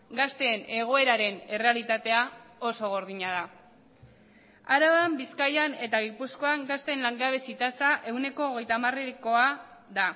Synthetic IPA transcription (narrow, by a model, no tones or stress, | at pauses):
ɡast̪e̞ːne̞ɣ̞o̞e̞ɾaɾe̞ne̞re̞alit̪at̪e̞ao̞so̞ɣ̞oɾðiɲað̞a | aɾaβambiskajane̞t̪aɣipusko̞aŋɡast̪e̞nlaŋɡaβ̞e̞sit̪asaʔe̞wne̞ko̞ːɣe̞jt̪amareko̞a | ða